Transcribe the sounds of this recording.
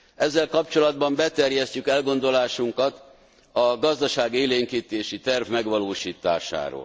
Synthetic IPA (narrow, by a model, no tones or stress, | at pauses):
ɛzːɛlkɒpt͡ʃo̞lɒd̪̚bɒmbɛt̪ɛrjɛscykɛlɡo̞nd̪o̞laːʃuŋkɒt̪ | ɒɡɒzd̪ɒʃaːɡeːleːŋkiːt̪eːʃit̪ɛrvmɛɡʋɒloːʃiːt̪a̰ːʃa̰ːɾo̰ːl